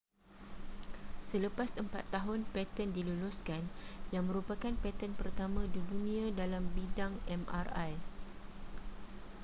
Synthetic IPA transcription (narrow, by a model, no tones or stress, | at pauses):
sələpasəmpa̰t̪ːaɦʊnpɛt̪əndiluluskanjaŋmə̃ɾupakanpɛt̪ənpərt̪amãdidunĩãdalambidaŋɛma̰raj